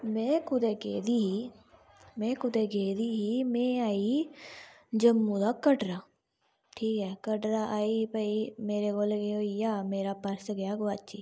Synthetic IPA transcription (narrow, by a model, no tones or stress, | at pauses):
mɛ̃ːkʰʊd̪eːkeːd̪iːɦiː | mɛ̃ːkʰʊd̪eːɡeːd̪iːɦiːmɛ̃ːaːiː | d͡ʒəmːũːd̪aːkəɖɾaː | ʈʰiːkɦɛːkəɖɾaːʔaːiːpəiːmeːɾeːɡolɡeoːiːjaːmeːɾaːpəɾsɡəjaːɡʊaːt͡ʃiː